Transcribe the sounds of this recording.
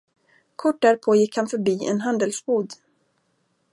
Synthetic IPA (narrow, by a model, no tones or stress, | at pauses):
kʰɔʈ̚ːɖ̪æːɾpʰoːjɪkːhanfœɾbiːʔɛ̰nɦand̪əlsboːd̪